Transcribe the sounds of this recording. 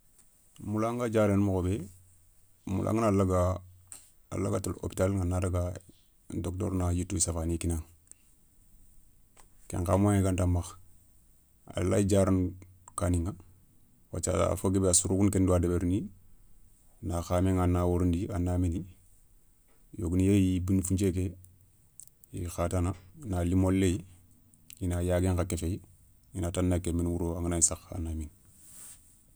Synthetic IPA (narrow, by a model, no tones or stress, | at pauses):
mulaŋɡad͡ʒaɾenmokobe | mṵlʔa̰ŋɡanalaɡa | a̰laɡatalo̰pi̥talŋanːadaɡa | ndok̚to̰ɾnajitːusafanikinaŋ | kḛŋkamoŋeɡandamax | a̰lad͡ʒaɾan | kaniŋa | wa̰t͡ʃa̰a̰foɡebeasuɾukunkenduadebeɾuni | naxaːmeŋanawuɾundianːamini | jo̰ɡunjejibinfuɲt͡ʃeke | jḭxatananalimolːej | jinajaɡeŋkakefej | inatanːakeminwuɾoaŋanajisaxa̰nːamin